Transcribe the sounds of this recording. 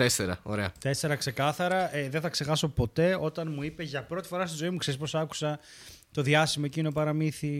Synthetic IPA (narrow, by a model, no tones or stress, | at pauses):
t̪eseɾɐ̰o̰ɾe̞ɐ̰t̪ese̞ɾɐkse̞kɐθɐɾɐʔeðenθɐkse̞xɐso̞po̞t̪e̞o̞t̪ɐnmuipe̞ʝɐpɾo̞t̪i̥fo̞ɾɐst̪izo̞imukse̞ɾispo̞sɐku̥sɐ | t̪o̞ðʝɐsimoecinopɐɾɐmiθi